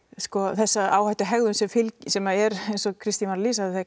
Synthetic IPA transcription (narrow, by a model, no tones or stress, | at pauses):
skɔθɛsːaa̰ːwhajht̪ʏɦɛɣðʏnsɛmfɪlcsɛmaɛɾejnsɔkʰɾɪst̪imaɾliːsaðɪθɛ